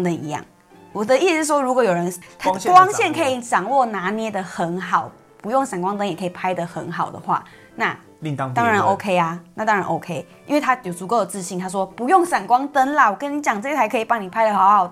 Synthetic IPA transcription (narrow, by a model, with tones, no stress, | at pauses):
t̪ə˨nḭ˧˦jɑ̰˥˨˩ŋ | wɔ˨˩d̪ə˦ʔi˥˩s̩ʂ̩˥˩ʂwɔ˦˥ɻu˦kwɔ˧˦jo˨˩ʊɻə˧˦nt̪ʰwɑ˥ŋɕjɛ˥˨nkʰə˧˥i˨˦ʈ͡ʂɑ˨˩ŋwɔ˥˩na˧˥njɛ˥d̪ə˨xə˧˦nɦɑ˨˩ʊ | pu˧˦jŋsa˨˩nkwɑ˥˦ŋt̪ə˦njɛ˨˩kʰə˧˥i˨˩pʰa˥ɪd̪ə˨xə˧˦˥nxɑ˨˩ʊd̪ə̰˩xwa̰˥˧ | na˥˨˧ | t̪ɑ˥ŋɻa˧˦no˦ʊkʰe˦ɪa˨na˥˩t̪ɑ˦ŋɻa˧˦nʔo˧˦ʊkʰe˦ɪ | i˥nwe˥˩ɪt̪ʰa˦˥jo˨˩ʊt͡su˧˥ko˥˩ʊə˨˩t͡sɹ̩˥˧ɕi˥˨nt̪ʰa˥ʂ̬wɔ˦pu˧˦jɔ˥˨˩ŋʂa˨˩nkwɑ˦ŋt̪ə˦nla˨wɔ˨˩kə˦nːi˨˦t͡ɕjɑ˨˩ŋɤ˥˧˩ɡə˨˩t͡sa˧˥ɪkʰɤ˧i˨˩pɑ˥˩ŋni˨pʰa˥ɪlə˧ha˨˦ha˨˩ʊ